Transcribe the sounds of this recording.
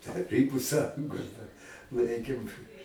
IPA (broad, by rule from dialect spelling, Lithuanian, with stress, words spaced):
tɐˈrʲiːbʊ ˈsɑːjʊŋɡoːs dɐr ˈlˠɐɪkʲeːm